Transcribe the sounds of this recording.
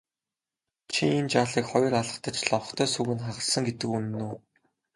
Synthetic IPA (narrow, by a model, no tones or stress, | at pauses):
t͡ɕʰiint͡ɕaːɮiːkχɔjɞ̆raɮə̆t̪ə̆t͡ɕɮɔχt̪ʰœːsuɣɘ̆nχaʁə̆ɮsə̆ŋɡet̪ɘ̆kunɘ̆nːuː